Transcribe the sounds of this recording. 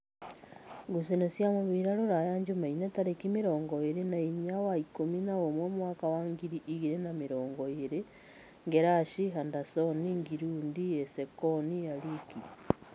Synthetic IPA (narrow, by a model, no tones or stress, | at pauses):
ɡus̬inosjamoβiɾaɾoɾajaɲd͡ʒumainetaɾekimiɾoːŋɡoeɾenaiɲawaikominaomwomwakawaŋɡiɾiʔiɣiɾenamiɾoːŋɡoeɾe | ŋɡeɾaʃiɦandasoniŋɡiɾuːndiesekonijaliki